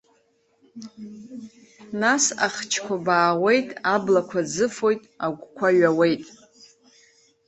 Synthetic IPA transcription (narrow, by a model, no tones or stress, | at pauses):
nasa̰χt͡ʃʰkʷʰabaːʁʷe̞jtʼablakʷʰad͡zɨfo̞jtʼaɡʷkʷʰaɥawe̞jtʼ